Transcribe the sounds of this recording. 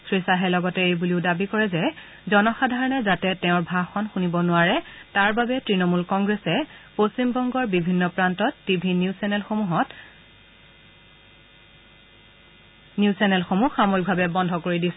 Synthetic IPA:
sɹisaɦɛlɔɡɔtɛejbuliʊdabikɔɹɛzɛ | zɔnɔxadʱaɹɔnɛzatɛtɛʊ̃ɹbʱaxɔnxunibɔnʊwaɹɛtaɹbabɛtɹinɔmulkɔŋɡɹɛsɛpostimbɔŋɡɔɹbibʱinːɔpɹantɔtːibʱinisnlxɦɔt | niʊsɛnɛlxomuxamojɡ̚bʱabɛbɔndʱɔkoɹidisɛ

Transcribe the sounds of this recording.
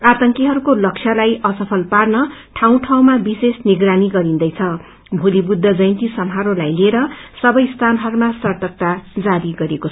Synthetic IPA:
at̪ʌŋkiɦʌɾukolʌkt͡sʰjʌlajʔʌsʌpʰʌlparnʌʈʰaw̃ʈʰaw̃mabisesniɡraniɡʌɾind̪ʌjt͡sʰʌ | bʱulibud̪ʱːʌd͡zʌjnt̪isʌmɦaɾolajlieɾʌsʌbʌjst̪ʰanɦʌɾumasʌrt̪ʌk̚t̪ad͡zaɾiɡʌɾekot͡sʰ

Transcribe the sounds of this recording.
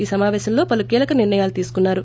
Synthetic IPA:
iːsɐmaːʋɛːʃɐmlo̞ːpɐlukiːlɐkɐniɾɳɐjaːlut̪iːsu̥kunːaːɾu

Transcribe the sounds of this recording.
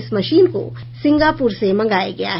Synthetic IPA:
smɐʃiːnko̰ | sɪ̃ŋɡaːpuːɾsemɐ̃ŋɡaːjaɡɐja̰ɦ

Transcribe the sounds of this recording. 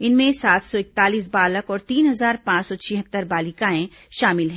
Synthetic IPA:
ɪnmẽsaːt̪ʰsɔɪk̚t̪aːliːs̬baːləkɔːɾt̪iːnɦɐzaːɾpãːt͡ʃsɔt͡ʃʰɪɦət̪ːəɾbaːlɪkaːẽ | ʃaːmɪlɦɛ̃ː

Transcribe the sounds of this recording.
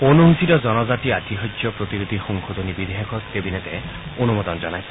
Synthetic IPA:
onuɦusitɔd͡ʒɔnɔd͡ʒatiat̪iɦɔjd͡ʒjɔpɾot̪iɾud̪ʱixɔŋkʰod̪onibid̪ʱeɦɔkʰɔt̪ebinet̪e | onumɔd̪ɔnd͡ʒɔnajsʰɔ̥

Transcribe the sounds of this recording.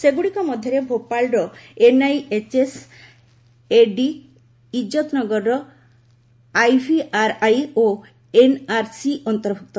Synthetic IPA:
seɡuɽikɔmɔd̪ʱjɔɾebʱopalɖɔenajet͡ʃes | eɖiː | d͡ʒɔt̪nɔɡɔɾɾɔ | ajbʱiʔaɾajo | enaɾsiɔnt̪ɔɾbʱuk̚t̪ɔ

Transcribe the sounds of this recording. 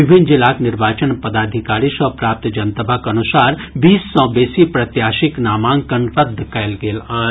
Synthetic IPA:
ɪbʱɪnd͡ʒɪlaːknɪɾbaːt͡ʃənpəd̪aːd̪ʱɪkaːɾiʃɔːɾpɾaːp̚t̪d͡ʒɐnt̪əbʱakɐnʊsaːɾbiːsːɔ̃ːbeːsipɾɐt̪jaːʃɪknaːmãːŋkənɾəd̪ʱkɛːlɡeːla

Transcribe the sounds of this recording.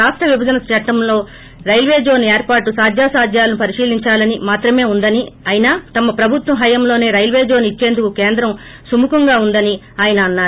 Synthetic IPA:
aːʂʈɾɐʋibɐd͡ʒɐnɐst͡ʃɐʈːɐmlo̞ː | ɾɐjlʋeːd͡ʒo̞ːneːɾpaːɾʈːusaːd̪ʱjaːsaːd̪ʱjaːlɐnupɐɾiʂiːliɲt͡ʃaːlɐnimaːt̪ɾɐme̞ːund̪ɐniaːjinɐt̪ɐmɐpɾɐbʱut̪wɐmɦɐjɐmlo̞ːne̞ːɾɐjlʋeːd͡ʒoːnit͡ʃːe̞ːnd̪ukukeːnd̪ɾɐm | sumukɐŋɡaːund̪ɐni | aːjɐnɐːnːaː

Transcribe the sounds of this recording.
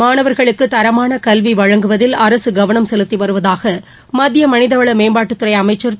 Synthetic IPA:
maːɳɐʋɐɾɣɐɭɯkːɯt̪ːɐɾɐmaːnɐkɐlʋiʋɐɻɐŋɡɯʋɐðɪlɐɾɐsɯɡɐʋɐɳɐmsɛlɯt̪ːiʋɐɾɯʋɐðaːɣɐ | mɐd̪ɪjɐmɐnɪðɐʋɐɭɐmeːmbaːʈːɯt̪ːɯɾɐɪɐmɐɪt͡ʃːɐɾ

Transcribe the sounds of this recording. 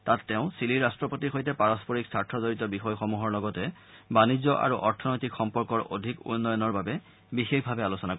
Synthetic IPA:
tatːɛʊ̃siliɹastɹɔpotixojtɛpaɹɔspoɹiksaɹtʰɔzoɹitɔbixɔjxomuɦɔɹlɔɡɔtɛ | banid͡ʑːɔʔa̰ɹuʔɔɹtʰɔnojtikxɔmpɔɹkɔɹʔo̰dʱikṵnːɔjɔnɔɹbabɛ | bixexbʱabɛalusɔnak

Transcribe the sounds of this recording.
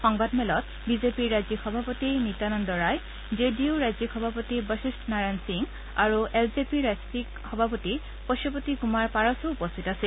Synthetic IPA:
xɔŋbadmɛlɔt | bizepiɹːazikxɔbʱapotinit̪anɔndɔɹaj | d͡ʒediuɹajzikxɔbʱapotibəsisʈnaɹajnsiŋ | aɹuelzepiɹazpikxɔbʱapoti | pɔʃɔpot̪ikumaɹpaɹɔsoupost̪ʰitase

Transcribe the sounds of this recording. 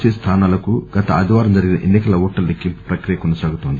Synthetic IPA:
t͡ʃest̪ʰaːnaːlɐkuɡɐt̪ɐɐd̪iʋaːɾɐmd͡ʒɐɾiɡinɐʔenːikɐlɐuːʈːɐlːekːimpu̥pɾɐkɾijɐkɔnɐsaːɡut̪oːnd̪i

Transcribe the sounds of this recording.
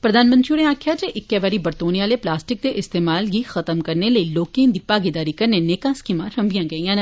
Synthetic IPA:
pɾəd̪ʱaːnmə̃nt̪ɾiuɽẽaːkʰjaːd͡ʒeʔɪkːɛʋaːɾiːbəɾt̪oːnijaːleːplaːsʈɪk̚d̪eːʔɪst̪eːmaːlɡiːxət̪əmkəɾneləiloːkẽːnd̪iːpaːɡed̪aːɾiːkəɾneneːkãːskimãɾəmbɪjãːɡəiːãːn

